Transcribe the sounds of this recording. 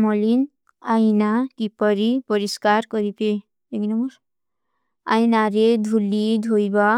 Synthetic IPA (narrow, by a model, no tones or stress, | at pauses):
mɔlin | ajnakipɔɾipɔɾiskaɾkɔɾipe | ekinɔmuɾ | a̰jnaɾed̪ʱulid̪ʱojba